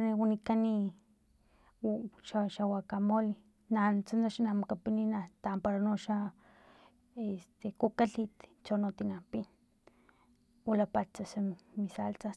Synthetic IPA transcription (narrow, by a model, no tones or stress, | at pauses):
newanikani | ʃaʃawakamoli | nant͡sanaʃinamokapininat̪ampaɾanoʃa | est̪ekokaɬit̪t͡ʃonot̪inapin | walapat͡sasemisalt͡sa